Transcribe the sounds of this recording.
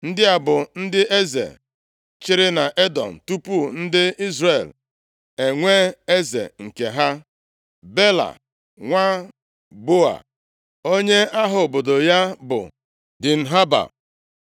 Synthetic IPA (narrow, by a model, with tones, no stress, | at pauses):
n̩˦dɪ˦a˨bʊ˨n̩˦dɪ˦e˦zḛ˨ | t͡ʃɪ˦ɾɪ˦na˨ʔe˦dɔ̰˨n̩˨tu˦pu˦n̩˦dɪ˦i˦zre˨l | e˨ŋʷeː˦e˦zḛ˨ŋ̩˨ke˨ɦa˦ | be˦la̰˨ | ŋʷa˦ | bo˦a̰˨ | o˦ɲe˦a˦ɦʊ˨bo˨do˨ja˦bʊ̰˨ | dɪ˨n̩˨ɦa˦ba̰˨